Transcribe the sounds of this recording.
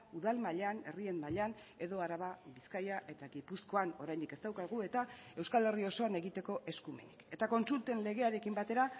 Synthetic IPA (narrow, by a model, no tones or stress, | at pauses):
uðalmaʎane̞̰rie̞nmaʎan | e̞ðo̞aɾaβaβiskajaʔe̞t̪aɣipusko̞ano̞ɾajnd̪ike̞st̪awkaɣue̞t̪ae̞wskale̞rio̞so̞ane̞ɣit̪e̞ko̞ʔe̞skume̞̰nike̞t̪ako̞nsult̪e̞nle̞ɣ̞e̞aɾe̞kimbat̪e̞ɾa